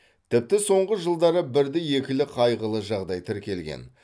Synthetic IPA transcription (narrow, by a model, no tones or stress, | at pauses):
t̪ʰɪp̚t̪ɪso̞ɴʁəʒəlˠd̪ɑɾəbɪɾd̪ɪje̞kʲɪlɪqʰɑjʁəlˠəʒɑʁd̪ɑjt̪ʰɪɾkʲe̞lɡʲḛn